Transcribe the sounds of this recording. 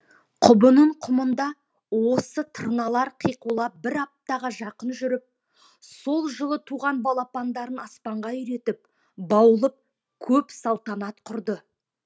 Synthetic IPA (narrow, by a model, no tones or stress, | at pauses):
qʰʊbənəɴqʰʊmənd̪ɑ | wo̞sət̪ʰərnɑlˠɑɾqʰijqulˠɑp̚bɪɾɑp̚t̪ɑʁɑʒɑqənʒʏɾɪp̚ | so̞lˠʒəlˠət̪ʰuʁɑnbɑlˠɑpɑnd̪ɑɾənɑspɑɴʁɑjʏɾe̞t̪ɪp̚ | bɑwəlˠəp̚ | kʲʰɵpsɑlˠt̪ɑnɑt̪qʰʊɾd̪ə